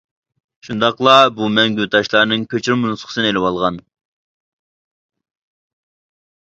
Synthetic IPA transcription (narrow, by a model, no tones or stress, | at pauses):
ʃund̪ɑqlˠɑbumɛŋɡʲyt̪ʰɑʃlˠɑɾnɨŋkʲʰøt͡ʃʰɾɪmunsχə̥sɨnelɪwɑlˠʁɑn